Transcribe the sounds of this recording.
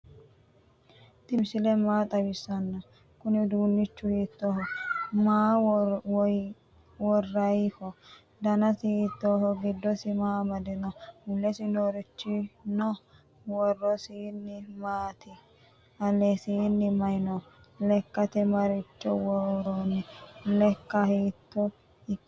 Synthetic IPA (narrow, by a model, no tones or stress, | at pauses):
t̪ɪmsɪlɛmaːt̪ʼɐbɪsɐnːɐ | kʊnɪd̪uːnːɪt͡ʃːʊhiːt̪ːoːhɔmaːwɔj | wɔrːɐjhɔ | d̪ɐnɐtɪhit̪ːohɔɡɪd̪ːɔsɪmaːmɐd̪ɛnɔʊlːɛsɪnoɾɪt͡ʃːɪnɔ | wɔrːɔsiːnːɪmaːt̪ɪ | ɐlɛsiːnːɪmɐjnɔ | lɛkːɐt̪ɛmɐɾɪt͡ʃːɔ̰wɔɾonɛlɛkːɐhiːt̪ːɔ | ɪkː